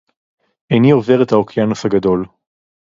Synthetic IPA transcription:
ejniove̞ʁet̪aokjanosaɡado̞l

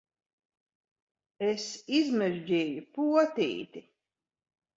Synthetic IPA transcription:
esizmɛʒd͡ʑiːjupuɔt̪ḭːt̪i

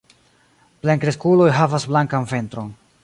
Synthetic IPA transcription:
pleŋkɾeskulo̞jɦavasblaŋkanfe̞nt̪ɾo̞n

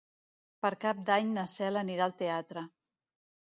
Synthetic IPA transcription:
pəɾkap̚d̪aɲnəsɛləniɾalˠt̪eat̪ɾə

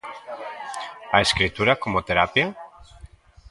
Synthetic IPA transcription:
aeskɾit̪uɾakomot̪eɾapja

